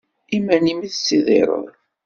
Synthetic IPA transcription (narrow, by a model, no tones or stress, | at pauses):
imænimiðsːiðˤḛɾˤə̰ðˤ